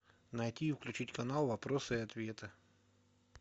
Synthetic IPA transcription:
nɐjtʲiːfklʲʉt͡ɕitʲkɐnalˠvɐpɾosɨɐt̪vʲe̞t̪ɨ

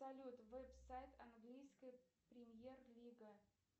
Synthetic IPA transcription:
ɐlʲut̪vɛpsajt̪ɐnɡlʲijskəjpɾʲɪmjerlʲiɡə

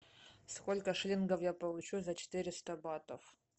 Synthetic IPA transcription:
skolʲkəʂlʲinɡəfjapɐlˠut͡ɕuzɐt͡ɕɪ̥t̪ɨɾʲɪst̪ɐbat̪əf

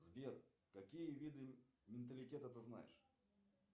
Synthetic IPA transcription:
zvʲer | kɐkʲijəvʲid̪ɨmʲɪnt̪̬əlʲɪtʲet̪ət̪ɨzna̰jɪ̰ʂ

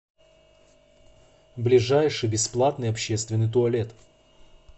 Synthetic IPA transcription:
blʲɪʐajʂɨjbʲɪsplˠat̪nɨjɐpɕːe̞st̪vʲɪnːɨjt̪̬ʊɐlʲet̪

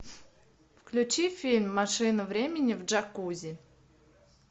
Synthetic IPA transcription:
fklʲʊt͡ɕifʲilʲmːaʂɨnʊvɾʲemʲɪnʲɪvʐakuzʲɪ

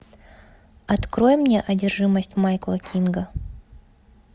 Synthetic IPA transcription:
ɐt̪kɾojɪmːnʲeʔɐdʲɪrʐɨməsʲtʲmajklˠɐkʲinɡə

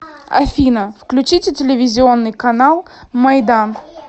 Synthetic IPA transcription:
ɐ̰fʲinəfklʲʉt͡ɕitʲɪtʲɪlʲɪvʲɪzʲɪonːɨjkɐnalˠmɐjd̪an

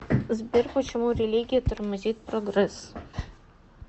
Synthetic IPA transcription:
zʲbʲɪɾkot͡ʃʲɛmoːɾʲɛlʲiɡʲɪjɛt̪ʊɾʲmɐzʲiːt̪pɾɔɡɾɐs

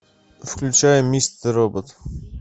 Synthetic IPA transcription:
fklʲʉt͡ɕajɪmʲːist̪əɾobət̪

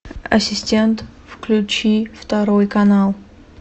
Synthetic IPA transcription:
ɐ̰sʲɪsʲtʲent̪fklʲʊt͡ɕift̪ɐɾojkɐnalˠ

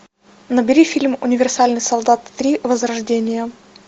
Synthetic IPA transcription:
nəbʲɪɾʲifʲilʲmʊnʲɪvʲɪrsalʲnɨjsɐlˠd̪at̪ːɾʲivəzrɐʐdʲenʲɪjə

